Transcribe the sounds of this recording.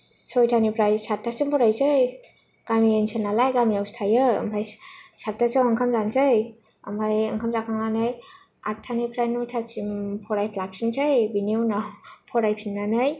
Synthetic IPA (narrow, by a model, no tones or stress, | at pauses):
sɔjtʰanipʰɾajsatʰːasimpʰɔɾajsɯj | ɡ̥amiensʰenːalajɡamiawstʰajɯ̰ːmpʰajsatːasawaŋkʰamzansɯj | a̰mpʰajaŋkʰamzakʰaŋnanaj | atʰːanipʰɾajnutʰasimpʰɔɾajpʰlap̚sinsʰajbiniwnawpʰɔɾajpʰinːanaj